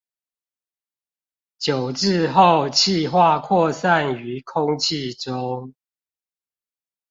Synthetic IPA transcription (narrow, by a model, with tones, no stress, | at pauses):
t͡ɕjo˨˩ʊʈ͡ʂɻ̩˥˨˧xo˥˨ʊt͡ɕʰi˥˧xwa˥˨kʰwɔ˥˨sa˥˨ny˨˦kʰʊ˦ŋt͡ɕʰi˥˨ʈ͡ʂo˦